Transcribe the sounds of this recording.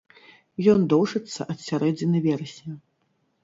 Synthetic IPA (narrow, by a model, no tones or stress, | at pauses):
jɔnd̪ɔwʐɨt̪sːɐ̰ʔɐt̪sʲaɾɛd͡zʲinɐvʲɛɾɐsʲnʲɐ